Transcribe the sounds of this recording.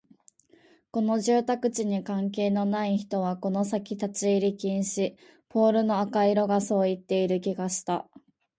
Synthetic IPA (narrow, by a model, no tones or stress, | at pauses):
ko̞no̞ʑɨːt̪akɯ̟t͡ɕiɲ̟ikãŋk̬e̞ːno̞naiçi̥t̪o̞β̞ako̞no̞sakʲit̪at͡ɕiːɾʲikʲĩɰ̃ɕi | pʰo̞ːɾɯ̟no̞akaiɾo̞ɡaso̞ːit̪ːe̞iɾɯ̟kʲiɡaɕi̥t̪a̰